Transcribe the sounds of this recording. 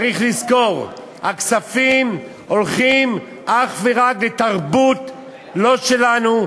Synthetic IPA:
ʁiχlizko̞ʁ | haksafim | o̞lχim | ʔaχveʁaklet̪aʁbut̪ | lo̞ʃe̞lanu

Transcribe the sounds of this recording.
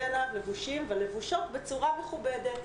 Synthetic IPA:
alavle̞vuʃimvelevuʃo̞t̪bet͡suʁame̞χubed̪et̪

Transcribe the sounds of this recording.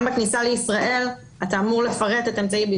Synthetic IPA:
mbaknisaleisʁaʔe̞l | ataːmuʁle̞faʁet̪etaemt͡saibi

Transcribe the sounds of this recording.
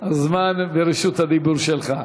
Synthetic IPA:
hazmanveɾiʃut̪had̪ibuɾʃelχa

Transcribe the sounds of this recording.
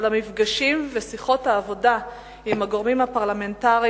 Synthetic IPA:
lamifɡaʃimvesiχo̞thaːvo̞da | imaɡoʁmimhapaʁlame̞ntaʁi

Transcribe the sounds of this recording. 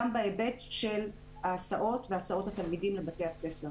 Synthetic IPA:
ambaebe̞tʃel | aːsaʔo̞tveasao̞that̪almidimlebate̞jase̞feʁ

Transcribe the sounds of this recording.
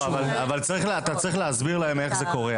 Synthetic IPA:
avalavalt͡saʁiχlat̪at͡saʁiχleazbiʁlaheme̞χze̞ko̞ʁe

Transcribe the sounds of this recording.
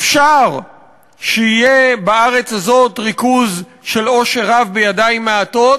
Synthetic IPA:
efʃaʁ | ʃeijebaaʁe̞t͡shazo̞tʁikuz | ʃe̞lo̞ʃeʁavbejadaimːeato̞t

